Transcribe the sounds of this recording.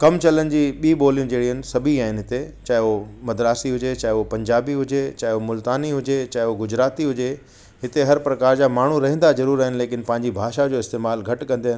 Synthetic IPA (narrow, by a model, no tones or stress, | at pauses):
kɐmt͡ɕɐlənɪ̆d͡ʑiːɓiːɓoːlijũd͡ʑeːɽ̤iɦənɪ̆sɐbʱiaːɦɪnɪ̆ɦɪt̪e | t͡ɕaːɪomɐd̪ɾaːsiɦʊd͡ʑet͡ɕaːopɐ̃ɲd͡ʑaːbiɦʊd͡ʑet͡ɕaːɦɪomʊlt̪aːniɦʊd͡ʑet͡ɕaːɪoɡʊd͡ʑɾaːt̪iɦʊd͡ʑe | ɦɪt̪eɦɐɾpɾɐkaːɾd͡ʑaːmaːɳ̤uɾɐɦĩːn̆d̪azɐɾuːɾaːɦɪ̃nleːkɪnpɐ̃ɦɪ̃ɲd͡ʑibʱaːʃad͡ʑoːɪst̪eːmaːlɡʱɐʈkɐ̃nd̪eɦɪn